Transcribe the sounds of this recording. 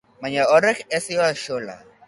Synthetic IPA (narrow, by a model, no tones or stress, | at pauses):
maɲaɔɾɛkɛsjɔaʃola̰